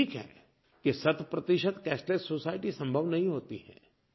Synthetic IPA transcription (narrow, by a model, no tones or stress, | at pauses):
iːkɦɛ̰ː | kesɐt̪ʰwəpɾɐt̪iʃət̪kɛːsʈleːsoːsaːɪʈisɐ̃mbʱəʋnɐɦĩɦoːt̪iɦɛ̰̃ː